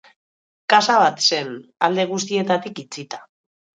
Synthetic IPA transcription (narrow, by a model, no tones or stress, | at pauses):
kasaβ̞at̪se̞na̰ld̪e̞ɣ̞us̬t̪ie̞t̪at̪ikit͡sit̪ḁ